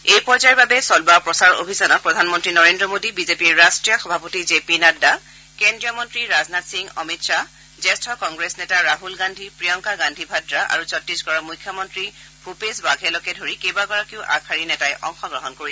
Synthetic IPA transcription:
ejpɔɹzaɛbabɛsɔlbapɹɔsaɹo̰bʱisɔnɔt̚pɹɔdʱanmɔntɹinɔɹendɹɔmodibizepiɹːastɹijɔxɔbʱapotizepinada | kendɹijɔmɔntɹiɹaznatsiŋɔmitsa | zɛstʰɔkɔŋɡɹesnɛtaɹaɦulɡandʱipɹijɔŋkaɡandʱibʱadɹaʔa̰ɹuzɔtːiskɔɹamujkʰːjɔmɔntɹi | bʰʱupesbaɡʱɛlɔkɛdʱoɹikejbaɡɔɹakiʊʔa̰kʰaɹinɛtajʔɔ̰ŋxɔɡɹɔɦɔnkoɹis

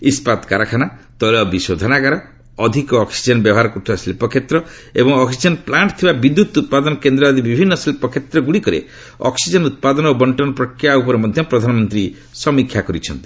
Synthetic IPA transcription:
ispat̪kaɾakʰanat̪ɔlɔbisod̪ʱɔnaɡaɾa | ɔd̪ʱikɔːksid͡ʒɔnbjɔbʱaɾɔkuʈʰbaslipɔkʰet̪ɾɔ | ebɔŋɔksid͡ʒɔnplaɳʈt̪ʰibabid̪ːut̪ut̪̚pad̪ɔnkend̪ɾɔad̪ibibʱinːɔslipɔkʰet̪ɾɔɡuɽikɔɾḛ | ɔ̰ksid͡ʒɔnut̪̚pad̪ɔnɔobɔɳʈɔnɔpɾɔkʰɾijaupɔɾemɔd̪ʱjɔpɾɔd̪ʱanɔmɔnt̪ɾi | sɔmikʰjakɔɾit͡ʃʰɔnt̪i̥

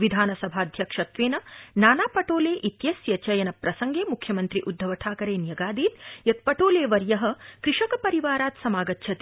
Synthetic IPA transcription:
ʋid̪ʱaːnɐsɐbʱaːɐd̪ʱjɐkʂɐt̪ʋeːnɐnaːnaːpɐʈoːleːʔit̪jɐsjɐt͡ʃɐjɐnɐpɾɐsɐŋɡeːmukʰjɐmɐnt̪ɾiʔud̪ʱːɐʋɐʈʰaːkɐɾeːnjɐɡaːd̪iːt̪̚jɐt̪̚pɐʈoːleːʋɐɾjɐɦɐ̆kɾiʂɐkɐpɐɾiʋaːɾaːt̪sɐmaːɡɐt̪ːʃʰɐt̪i

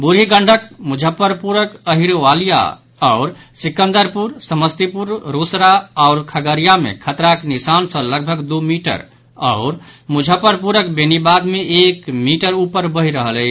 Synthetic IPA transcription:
buɾɦiɡəɳɖʱəkmud͡ʒʱəpːəɾpuɾəkəɦiɾʋalija̰ | ɔʊɾsikə̃nd̪əɾpuɾsəməst̪ipuɾɾosɾaɔʊɾkʰəɡəɾijamḛkʰət̪ɾaknisansə̃ləɡ̚bʱəɡd̪umiʈə̰ɾ | ɔ̰ʊɾmud͡ʒʱəpəɾpuɾək̚benibad̪meʔekmiʈəɾupəɾbəɦiɾəɦəlɛ

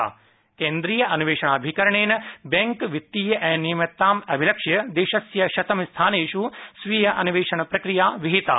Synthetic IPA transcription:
a̰ː | keːnd̪ɾiːjɐʔɐnuʋeːʃɐɳaːbʱikɐɾɐɳeːnɐbɐŋkʋit̪ːiːjɐʔɛːnijmɐt̪ːaːmɐbʱilɐkʂjɐd̪eːʃɐsjɐʃɐt̪ɐmist̪ʰaːneːʃusʋijɐʔɐnuʋeːʃɐɳɐpɾɐkɾijaːʋiɦit̪a̰ː

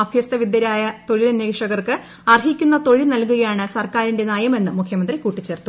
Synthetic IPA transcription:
ɐbʱjɐst̪ɐʋid̪jɐɾaːjɐt̪o̞ɻilɐnːeːkʂɐɣɐrkɨ | ɐrɦikʲːunːɐt̪o̞ɻinɐlkuɣɐjaːɳɨsɐrkaːɾinde̞naːjɐme̞nːɨmukʰjɐmɐnd̪rikuːʈːit͡ɕːe̞ːrt̪ːu

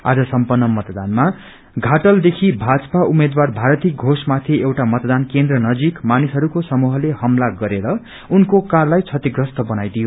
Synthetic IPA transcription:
a̰d͡zʌsʌmpʌnːʌmʌt̪d̪anma | ɡʱaʈʌld̪ekʰibʱad͡zʌ̥paʔumed̪warbʱaɾʌt̪iɡʱosmat̪ʰiewʈamʌt̪d̪ankend̪rʌnʌd͡zikmanisɦʌɾukosʌmuɦʌlehʌmlaɡʌɾeɾʌ | unkokarlajt͡sʰʌt̪iɡrʌst̪ʌbʌnajd̪ijo

